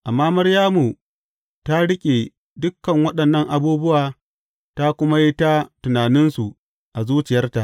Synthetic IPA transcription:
ʔa˨mːaː˦mɐ˦rjaː˦mu˨ | ta˦ɽɪ˦kʲʼe˨ | dʊ˦kːɐ˨ŋwɐ˦ɗɐ˨nːɐ˦ŋʔa˨buː˦bʊ˦waː˨ | ta˦kʷʊ˦ma˦ji˦ta˦tʊ˨naː˨nɪ˦nsu˨ | ʔa˨zuː˦t͡ʃɪ˨jɐ˦rta˨ʔ

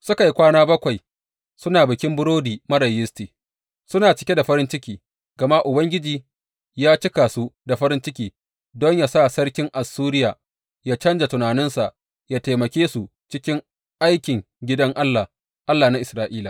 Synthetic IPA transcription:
sʊ˦ka˨ji˦kʷaː˦naː˦bɐ˦kʷa˨j | sʊ˦naː˨bɪ˨kʲɪ˦mbʊ˦ɽoː˦diː˨mɐ˦ɾɐ˨jɪ˦stiː˨ | sʊ˦naː˨t͡ʃɪ˦kʲe˦da˨ɸɐ˦ɾɪ˦nt͡ʃɪ˦kʲiː˨ | ɡɐ˨ma˦ʔʊ˨bɐ˦ŋɡʲɪ˦d͡ʒiː˨ | jaː˦t͡ʃɪ˦ka˨su˦da˨ɸɐ˦ɾɪ˦nt͡ʃɪ˦kʲiː˨ | dɔ˦ɲja˨sa˦˨sɐ˦ɽkʲɪ˦ŋʔa˨sːuː˦ɾɪ˦jaː˨ | jaː˦t͡ʃɐ˦nd͡ʒa˨tʊ˨naː˨nɪ˦nsa˨ʔ | jaː˦ta˨jmɐ˨kʲeː˦su˨ | t͡ʃɪ˦kʲɪ˦ŋ | ʔa˦jkʲɪ˨ŋ | ɡʲɪ˦dɐ˦ŋʔa˦lːa˨ | ʔa˦lːaː˨na˦ʔɪ˨sɾaː˦ʔiː˦la˨

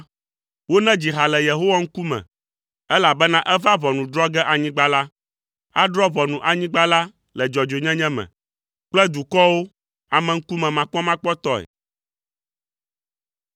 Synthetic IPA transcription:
wo˦nɛ̃˦d͡ʑi˨ɦa˨lɛ˨je˨ɦo˦wa˦ŋ̩˦ku˦mɛ̰̃˨ | ɛ˦la˨bɛ˦nã˦ʔɛ˦va˦vɔ˨nũ˨d̪ɾɔ˦ɡɛ˦ʔa˨ɲĩ˦ɡ͡ba˦la˦ | a˦ɖɾɔ˦vɔ˨nũ˨ʔa˨ɲĩ˦ɡ͡ba˦la˦ | lɛ˨d͡ʒɔ˨d͡ʒo˨ɲɛ̃˦ɲɛ̃˦mɛ̰̃˨ | k͡plɛ˦d̪u˨kɔ˦wo˦ | a˨mɛ̃˨ŋ̩˦ku˦mɛ̃˨mã˨kɔ˦mã˦k͡pɔ˦t̪ɔ˦ɛ̰˨

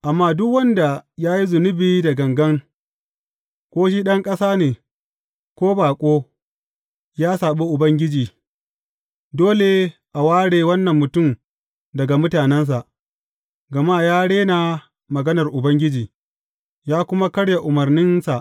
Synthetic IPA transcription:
ʔa˨mːaː˦dʊ˦kwɐ˦nda˨jaː˦ji˦zʊ˨nʊ˦biː˦dɐ˨ɡɐ˨ŋɡɐ˦ŋ | kʷoː˦ʃ̬i˦ɗɐ˦ŋkʼɐ˦saː˦neː˨ | kʷoː˦baː˨kʷʼoː˦ | jaː˦saː˨ɓe˦ʔʊ˨bɐ˦ŋɡʲɪ˦d͡ʒiː˨ | doː˦le˨ʔa˨waː˦ɽeː˨wɐ˦nːɐ˨mːʊ˨tʊ˦˨m | dɐ˨ɡa˨mʊ˦taː˨nɛ˦ns̬a˨ʔ | ɡɐ˨maː˦jaː˦ɽeː˦na˨ | mɐ˨ɡɐ˦nɐ˨rʔʊ˨bɐ˦ŋɡʲɪ˦d͡ʒiː˨ | jaː˦kʷʊ˦ma˦kɐ˦ɽja˨ʔʊ˨mɐ˨rnɪ˦nsa˨ʔ

